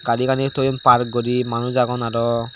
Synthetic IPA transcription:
ɡalikanitɔjɔnpaɹk̚ɡɔɹimanuzaɡɔnaɹɔ

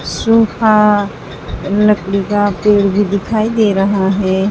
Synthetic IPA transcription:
suka | ləkɽikapeːɽbʱid̪ɪkʰaːid̪eːɾɐɦaɦɛː

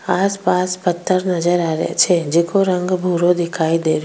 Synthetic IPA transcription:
aːspaːspət̪ʰːəɾnɐzəɾaːɾḛt͡ʃʰed͡ʒɪkoɾɐ̃ŋɡbʱuːɾod̪ɪkʰaːid̪eːɾ

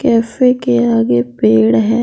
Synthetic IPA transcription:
kɛːfekeaːɡepeːɽɦɛː

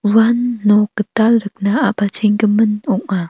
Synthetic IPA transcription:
wanːukətalɾək̚naapat͡ʃiŋɡəmənuʔa

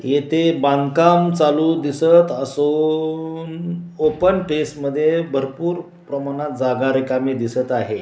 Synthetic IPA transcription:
jet̪ʰebãŋkamt͡saluːd̪isət̪əso | nopənʈesʈməd̪ʱːjebʱəɾpuːɾ | pɾəmaɽ̃at̪̚d͡zaɡaɾikamiːd̪isət̪aɦe

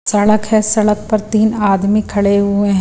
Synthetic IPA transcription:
sɐɽəkɦɛ̃sɐɽək̚pɐɾt̪iːnaːd̪mikʰɐɭeɦʊeɦɛ̃

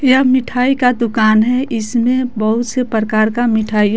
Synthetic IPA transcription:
jɐmɪʈʰaːikad̪ʊkaːnɦɛʔɪsmẽbəɦʊt̪sepɾəkaːɾkamɪʈʰaːi

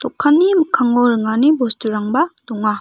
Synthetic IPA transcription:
t̪ɔkʰːanːimɯkʰːaŋɔɾɯŋanibostuɾaŋbad̪ɔŋa

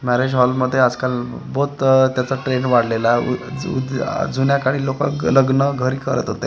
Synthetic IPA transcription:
mæɾed͡ʑɦɔlməd̪ʱːjeəd͡zkal | bot̪t̪jat͡səʈɾeɳʋaɽ̤lelaṵd̪d͡zʱunjakaɽ̃iːloka̰kləɡnəɡʱəɾiːkəɾə̰t̪ɦot̪e

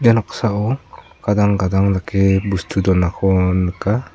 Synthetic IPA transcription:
anɔksaɔ | ɡ̥adaŋɡadaŋlakebustʰudɔnakʰɔnɯka

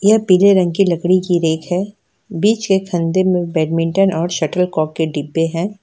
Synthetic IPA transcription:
jɐpiːleɾɐ̃ŋɡkilɐkɽikiɾeːkʰɦɛː | biːt͡ʃkekʰɐ̃nd̪emẽbɛːɖmɪ̃ɳʈənɔːɾʃɐʈəlkɔːkːeɖibːeɦɛ̃ː

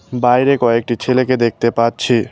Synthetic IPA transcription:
bajɾekɔek̚ʈit͡ɕʰeleked̪ek̚ʰt̪epatːt͡ɕʰi

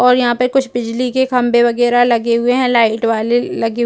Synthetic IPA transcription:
ɔːɾjɐɦãpɐɾkʊt͡ʃʰbɪd͡ʒlikekʰɐ̃mbeʋɐɡɛːɾalɐɡeɦʊeɦɛ̃laːɪʈʋaːlelɐɡe

